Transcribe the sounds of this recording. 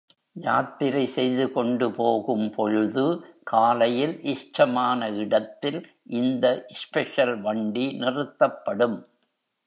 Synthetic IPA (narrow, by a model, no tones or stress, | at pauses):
jaːt̪ːɪɾɐɪsɛjðɯkɔɳɖɯpoːɣɯmpɔɻɯðɯkaːlɐjɪlʔɪʂʈɐmaːnɐɪɽɐt̪ːɪl | ʔɪnd̪ɐʔɪspɛʂɐlʋɐɳɖinɪrɯt̪ːɐpːɐɽɯm